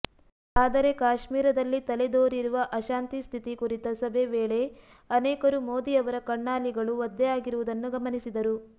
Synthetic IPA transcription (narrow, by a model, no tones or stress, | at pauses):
aːd̪ɐɾe̞kaːʃmiːɾɐd̪ɐlːit̪ɐled̪oːɾiɾuʋɐʔɐʃaːnt̪ist̪ʰit̪ikuɾit̪ɐsɐbʱeʋeːɭe̞ | ɐnɛːkɐɾumoːd̪iɐʋɐɾɐkɐɳːaːliɡɐɭuʋɐd̪ːɛjaːɡiɾuʋud̪ɐnːuɡɐmɐnisid̪ɐɾu